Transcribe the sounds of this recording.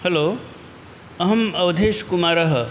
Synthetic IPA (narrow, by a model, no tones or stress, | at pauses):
hɐlo | ɐɦəmɐwd̪ʱeskumaɾəɦ